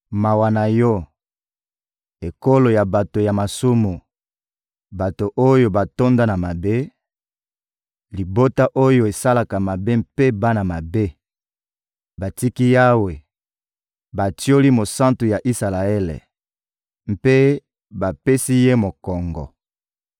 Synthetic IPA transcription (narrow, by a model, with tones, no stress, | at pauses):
ma˨wa˨na˨jɔ˦ | e˨ko˦lo˨ja˨ba˨to˨ja˨ma˨su˦mu˨ | ba˨to˨ʔo˦jo˦ba˨to˦nda˦na˨ma˨be˦ | li˨bo˦ta˦ʔo˦jo˦˨e˨sa˦la˨ka˨ma˨be˦mpe˦ba˦na˨ma˨be˦ | ba˨ti˦ki˦ja˦we˨ | ba˨tjo˦li˦mo˨sã˦ntu˨ja˨ʔi˦sa˨la˨ɛ˦lḛ˨ | m̩pe˦ | ba˨pe˦si˦je˦mo˨kɔ˨ŋɡɔ̰˨